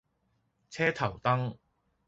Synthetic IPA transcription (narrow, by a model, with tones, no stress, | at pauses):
t͡sʰɛː˥t̪ʰɐ˨˩wt̪ɐ˥ŋ